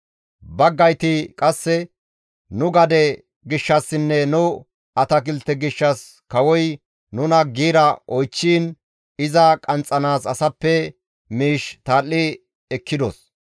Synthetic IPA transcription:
bɐɡːɐjt̪ɪkʼɐsːɛ | nʊɡɐd̪ɛ | ɡɪʃːɐsːɪnːɛnʊ | ɐt̪ɐk̬ɪlt̪ːɛɡɪʃːɐs | kɐwɔj | nʊnɐɡiːɾɐʔɔjt͡ʃːiːn | ɪzɐkʼɐnt͡sʼːɐnaːsɐsɐpːɛ | miːʃt̪aːlːɪ | ɛkːɪd̪ɔs

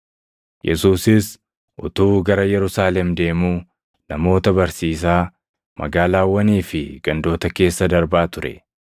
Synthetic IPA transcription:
jʔɛ̰suːsɪs | ʔʊ̰t̪uːɡɐɾɐjɛɾʊsaːlɛmd̪e̞ːmuː | nɐmo̞ːt̪ɐbɐɾsiːs̬aː | mɐ̰ɡaːlaːwːɐniːfɪɡ̥ɐnd̪o̞ːt̪ɐke̞ːsːɐd̪ɐɾbaːt̪ʊɾɛ̰

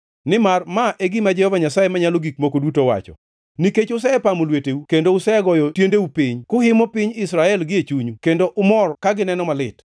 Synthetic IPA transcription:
nɪmarmaʔeɡimad͡ʒɛhɔvaɲasaemaɲaloɡik̚mokodutowa̰t͡ʃɔ̰ | niket͡ʃʊs̬ɛɛpamolweteukendoʊsɛɡɔjɔtjendeupiɲkʊhɪmɔpiɲɪsɾaɛlɡɪet͡ʃuɲukendoʔʊmɔrkaɡɪnɛnɔmalɪt

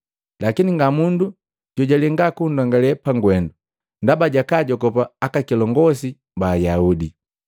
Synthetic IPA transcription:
lakiniŋɡamundu | ɟɔɟalɛŋɡakundɔŋɡalɛpaŋɡwɛndu | ndabaɟakaɟɔkɔpaːkakilɔŋɡɔsi | baːjaudi

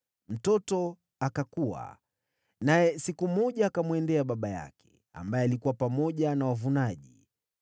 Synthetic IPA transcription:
m̩tɔtɔ | akakuwa̰ | najɛsikumɔʄaːkamwɛndɛaɓaɓaja̰kʰɛ̥ | a̰mbajɛalikuwapamɔʄanawavunaʄi

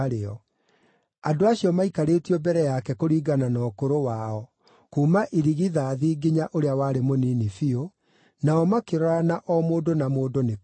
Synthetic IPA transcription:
ɾeɔ | adoaɕiɔmaikaɾeːtiɔbɛɾɛjakɛkoɾiːɡananɔkoɾowaɔ | kuːmaʔiɾiɣiðaːðiːɡiɲaʔoɾeawaːɾemoniːnifio | naɔmakeɾɔɾanaʔɔmoːdonamoːdone

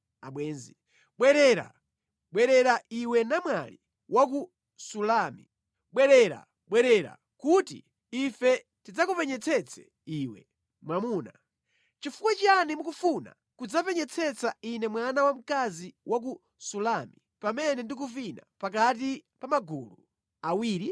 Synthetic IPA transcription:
aɓwɛːnzi | ɓwɛɾɛɾa̰ | ɓwɛɾɛɾaiwɛnamwali | wʔak̬u | sulaːmi | ɓwɛɾɛɾa̰ | ɓwɛɾɛɾa̰ | kutḭ | ifɛ | tid͡zakupɛɲɛt͡sʰɛt͡sʰɛ̥̰ | iːwɛ̰ | mwamuːna | t͡ʃifukwɛt͡ʃanimukufuna̰ | kud͡zapɛɲɛt͡sʰɛt͡sainɛmwanawam̩kaziwʔak̬u | sulami | pamɛnɛndik̬ufina̰pakat̬ipamaɡulṵ | awiːɾi

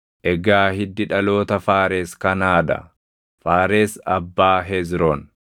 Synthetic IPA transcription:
ʔɛɡaːhɪd̪ːɪᶑɐlo̞ːt̪ɐfaːɾeːskɐnaːd̪ɐ̰ | faːɾeːsɐbːaːɦɛzɾɔn

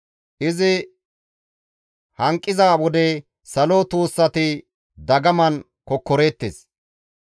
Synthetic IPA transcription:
ʔɪzɪ | hɐŋkʼːɪzaːwɔd̪ɛ | sɐlot̪uːsːɐt̪ɪ | d̪ɐɡɐmɐn | kɔkːɔɾeːt̪ːeːs

